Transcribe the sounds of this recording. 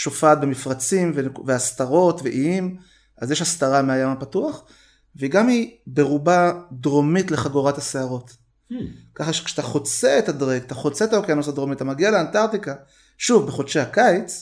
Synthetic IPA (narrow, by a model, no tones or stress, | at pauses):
ʃo̞faːt̚be̞mifʁat͡simvenveast̪aʁo̞tveʔiim | azjeʃhast̪aʁameajamapatuaχ | veiɡamibe̞ʁubadʁo̞mitleχaɡoʁathaseaʁo̞t̪ | kaχaʃe̥kʃe̥t̪aχo̞t͡seetadʁeɡt̪aχo̞t͡seet̪aokeanosadʁo̞mitat̪amaɡialeantaʁt̪ika | ʃuvbeχodʃehakajt͡s